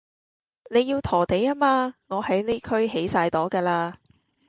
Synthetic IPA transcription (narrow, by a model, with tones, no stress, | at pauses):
ne˨˧jːiː˧wt̪ʰɔː˨˩t̪e˨˥jaː˥maː˧ŋɔː˨˧hɐ˨˥jne˥kʰɵ˥ɥɦe˨˥jsaː˧jt̪ɔː˨˥kɛː˧laː˧